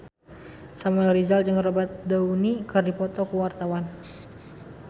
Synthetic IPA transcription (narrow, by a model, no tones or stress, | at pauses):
samulɾizald͡ʒəŋɾɔbat̪̚daunikɨrdipɔt̪ɔkuwart̪awan